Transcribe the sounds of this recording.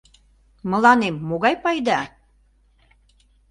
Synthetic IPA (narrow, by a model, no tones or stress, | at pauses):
mə̆lɑnemːoɣɑjpɑjd̪ɑ